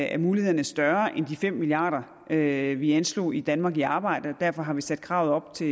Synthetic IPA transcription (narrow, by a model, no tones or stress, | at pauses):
æɐmuːlihe̝̰ɐnəsd̥ɶɐʔend̥ifem̰miliɑ̈ːɾ̥ɐ | øʋiænslo̝̰ːid̥ænmɑ̈ːɡiɑ̈ːb̥ɑ̈ɪ̰d̥əɒd̥æɐfɒ̽ɦɑ̈ʋisæd̥̚kʰʁɑ̈ʊɒ̽b̥̚t͡sʰe̝